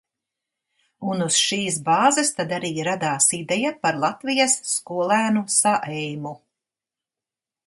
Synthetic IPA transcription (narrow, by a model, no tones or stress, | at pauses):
unusʃiːsbaːzɛst̪ad̪aɾiːɾad̪aːsid̪ɛjapaɾlˠat̪vijɐsːkuɔlˠæːnusaʔɛjmu